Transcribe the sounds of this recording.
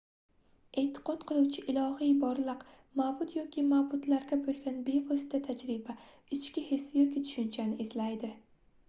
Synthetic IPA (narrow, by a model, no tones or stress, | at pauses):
e̞t̪ʰːɪ̥qɒt̪qʰɨlˠuwt͡ʃʰɪʔɪlˠɒhijbɒɾlˠɨq | mabʊt̪ʰjɒkʲimabʊt̪laɾɡʲabolˠɡʲanbe̞vɒsɪ̥t̪ʰat̪ʰad͡ʒɾɪba | ɪt͡ʃkʲɪhe̞sjɒkʲit̪ʰʊ̥ʃʊnt͡ʃʰanɪɪzlajd̪ɪ